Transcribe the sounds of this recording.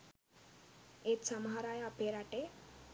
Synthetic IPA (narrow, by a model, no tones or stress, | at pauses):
et̪səmɦaɾajapeɾaʈe